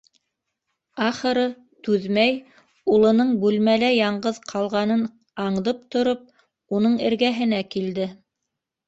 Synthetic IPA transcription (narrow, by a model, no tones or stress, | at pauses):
ɑχɤ̆ɾɤ | t̪ʉðmæj | ulˠɤ̆nɤɴbʉlmælæjɑɴɢɤðqʰɑlˠʁɑnɤn | ɑɴðɤp̚t̪ŏɾop̚ | unɤɴɘ̰̆ɾɡæɦɘ̆n̪ækild̪ɘ